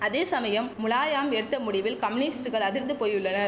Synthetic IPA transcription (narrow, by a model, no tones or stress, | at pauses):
ɐðeːsɐmɐjɐmːʊlaːjaːmɛɽɯt̪ːɐmʊɽɪʋɪlkɐmɪnɪsʈɯɣɐɭɐðɪɾnd̪ɯpoːjɯɭːɐnɐɾ